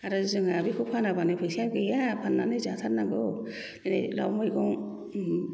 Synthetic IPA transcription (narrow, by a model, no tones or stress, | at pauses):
aɾɯzɯŋabikʰupʰanabanɯpʰɯsiaɡɯjapʰanːanɯzat̪ʰanaɡɯ | nenela̰wmɔjɡɔŋ